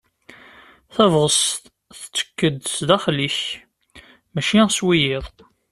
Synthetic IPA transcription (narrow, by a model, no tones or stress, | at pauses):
θævʁəst̪ | θt͡sːə̥kːəd̪sd̪æχliç | mæʃiswijɪðˤ